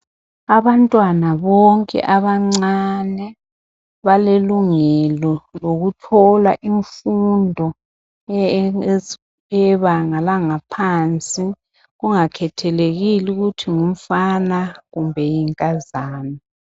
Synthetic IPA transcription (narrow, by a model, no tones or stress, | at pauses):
aβantʼwanaβɔŋkʼɛ̰ʔaβaŋ͡ǀanɛ | βaleluŋɛlɔloɣutʰɔlaʔiɱfundʱɔ | ɛβaŋalaŋapʰant͡sʼi | ɣuŋakʰɛtʰɛleɣiluɣutʰiŋum̩fanaɣumbʱɛjiŋkʼazaːnɔ